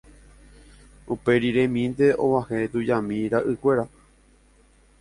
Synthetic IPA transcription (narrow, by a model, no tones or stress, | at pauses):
upe̞ɾiɾẽmĩnd̪e̞ʔõ̰ʋahet̪ud͡ʒamĩɾaʔɨkʷe̞ɾa